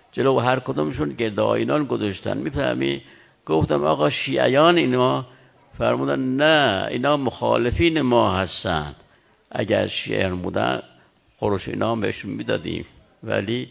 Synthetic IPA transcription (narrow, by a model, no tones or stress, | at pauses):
d͡ʒelowɦæɾkod̪omeʃunɟeɾd̪ɒːjiːnɑːnɡozɑʃt̪æ̰nmiːfæ̰hmḭːd̪ | ɡ̥oft̪æmɒ̰ːɣɒːʃiːʔæ̰jɒːneiːnɒː | fæɾmuːd̪ænnæḭːnɒːmoxɑ̰ːlefiːnemɒːɦæst̪ænd̪̥ | ʔæɟæɾʃiːʔæ̰jɒːnbuːd̪æ̰n | xoɾoʃḭːnɒːmbeheʃunmiːd̪ɒːd̪ḭːm | væ̰liː